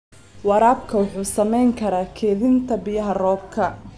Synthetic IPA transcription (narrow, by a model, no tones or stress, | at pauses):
wɑɾaːbkʰɐwʊħuːsɐmɛjŋkʰɐɾaːkʰɛːðɪnt̪ʰɐbɪjɐɦɐrɔːbkʰɐ